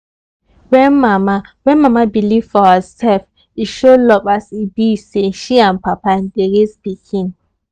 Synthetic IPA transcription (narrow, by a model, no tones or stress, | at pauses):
wɛnmamawɛ̃nmamabilivfɔhəsɛlf | iʃolɔpasibiseʃiãnpapandeɾesbikʰĩn